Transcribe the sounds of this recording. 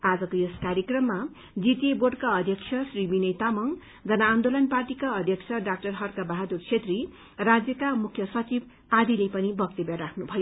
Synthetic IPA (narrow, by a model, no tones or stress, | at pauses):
ad͡zʌkojeskaɾjekrʌmːa | d͡zit̪ieborɖkaʌd̪ʱjʌkt͡sʰjʌsribinʌjt̪amʌŋ | d͡zʌnaːnd̪olʌnparʈikaʌd̪ʱjʌksʰʌɖak̚ʈʌrɦʌrkabaɦad̪urt͡sʰet̪ri | rad͡zjʌkamukʰjʌsʌt͡sib | ad̪ilepʌnibʌk̚t̪ibjaɾakʰnubʱʌjo